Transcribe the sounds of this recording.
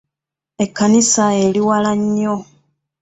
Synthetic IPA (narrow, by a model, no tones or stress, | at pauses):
e̞kːanisaeliwalaɲːo